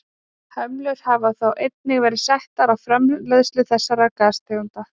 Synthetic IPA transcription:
hœmlœɾ̥havaθawʔejt̪̚nɪɣvɛːɾɪsaht̪aɾawfɾɛmlœðslʏθɛsːaɾakaːst̪eunt̪a

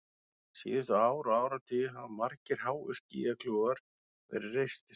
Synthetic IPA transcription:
siːawɾaːwɾat̪ʰɪɦamaɾcɪɾ̥haːwɪ̰scḭːɣakʰluɣaɾ̥ | vɛ̰ɾɪrejst̪ɪ

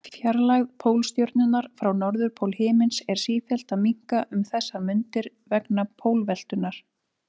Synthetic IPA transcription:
fjaɾlaɣpʰoːwlst̪jowɾt̪̚nʏnːaɾ̥fɾawnɔɾðʏɾpʰoːwlhɪːmɪnsɛɾ̥siːfjɛl̥t̪amiŋ̥kaʔʏmθɛsːamʏnt̪ɪɾ | vɛknapʰoːwlvɛl̥t̪ʏnaɾ̥

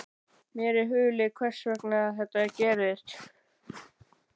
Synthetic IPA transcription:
mjɛːɾɪɦʏːlɪkʰvɛr̥svɛknaθɛht̪aɛɾcɛːɾɪst̪

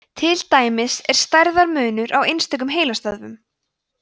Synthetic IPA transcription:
t̪ʰɪlt̪aːjmɪsɛɾ̥st̪ajɾðaɾmʏːnʏɾʔawejnst̪ɛk̬ʏmɦeːjlast̪aðvʏm

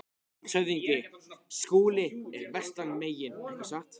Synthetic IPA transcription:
sœɥðiɲcɪskuːlɪɛɾvɛst̪anmeːjɪnkasat̪

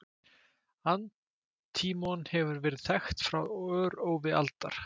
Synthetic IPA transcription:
an | t̪ʰiːmɔnhɛvʏɾvɛːɾɪðθɛxt̪fɾawœːɾoːwvɪa̰lt̪a̰ɾ̥

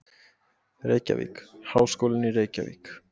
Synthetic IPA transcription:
ɾekʲa̰vḭkhawskulniɾejkʲa̰vḭk

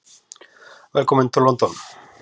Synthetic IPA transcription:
elkomẽnt̪olβont̪on

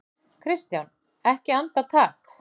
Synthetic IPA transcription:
kʰɾɪst̪jawn | ɛhcɪant̪at̪ʰaːk

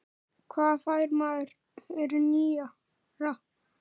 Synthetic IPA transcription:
kʰvaːðfaːjɾmaːðʏɾ | ɛɾʏniːa | rah

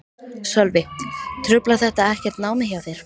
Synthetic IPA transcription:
sœlvɪt̪ʰɾʏplaθɛht̪aɛhcɛɾ̥t̪naːwmɪçjawθjɛɾ̥

